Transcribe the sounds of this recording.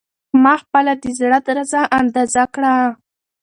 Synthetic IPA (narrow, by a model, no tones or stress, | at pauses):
mɑxpəlad̪əzɽad̪ɾazaʔand̪ɑzakɽa